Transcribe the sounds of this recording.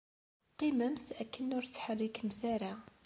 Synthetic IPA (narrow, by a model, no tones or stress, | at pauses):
qiməmθækːənʊɾt͡sːħərːikmθæɾa